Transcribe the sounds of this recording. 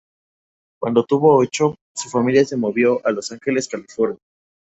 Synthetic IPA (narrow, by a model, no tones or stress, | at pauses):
kwa̰nd̪ot̪uβo̞ot͡ʃo̞ | sufamiljase̞mo̞βjo̞ʔalo̞saŋxe̞le̞skalifo̞ɾnja